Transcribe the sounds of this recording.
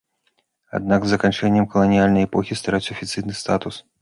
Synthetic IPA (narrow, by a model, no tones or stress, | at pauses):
a̰d̪̚naɡzːɐkanʲt͡ʂɛnʲːɛmkɐlˠɐnʲijalʲnɐjɛpɔxʲist̪aɾat͡sʲɐfʲit̪sɨjnɨst̪at̪us